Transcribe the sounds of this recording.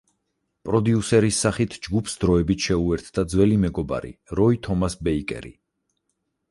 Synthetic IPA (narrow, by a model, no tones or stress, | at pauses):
pʼɾɔd̪iusɛɾisːaχit̪ʰd͡ʒɡupʰsd̪ɾɔɛbit̪ʰʃɛuɛɾt̪ʰd̪̥ad̪zwɛlimɛɡɔba̰ɾḭɾɔit̪ʰɔmasbɛikʼɛ̰ɾḭ